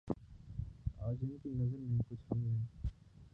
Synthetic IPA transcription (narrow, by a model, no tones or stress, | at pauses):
aːd͡ʒɪnkinɐzəɾmẽkʊt͡ʃʰɦuɦɛː